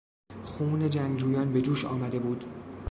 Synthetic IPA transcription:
xuːne̞d͡ʒæŋɡd͡ʒuːjɒːnbe̞d͡ʒuːʃɒ̰ːmæd̪e̞buːd̪̥

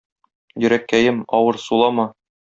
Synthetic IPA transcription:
jɵ̆ɾækːæjɘmɒwɤɾsulˠɑmɑ

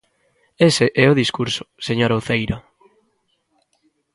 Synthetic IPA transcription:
eseʔɛʊðiskuɾsʊ̥seɲoɾaoθejɾa

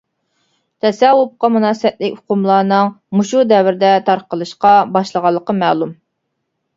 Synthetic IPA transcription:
t̪ʰɛsɛwʊp̚qɑmunɑːsəwɛt̪̚lɪkʲhʊ̥qʊmlˠɑːnɨŋmuʃud̪ɛwɪɾɪd̪ɛt̪ʰɑɾqəlˠɨʃqɑbɑʃlˠəʁɑlˠːəqəmɛːlˠum

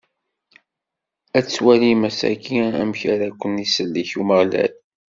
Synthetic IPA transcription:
æt͡sːwælimæsæ̰kʰiæ̰mçaɾækʷːənisəlːiçuməʁlæ̰l

